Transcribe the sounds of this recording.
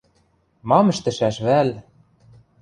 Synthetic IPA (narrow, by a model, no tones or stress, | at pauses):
mɑmɘ̆ʃt̪ɘ̆ʃæʃβæl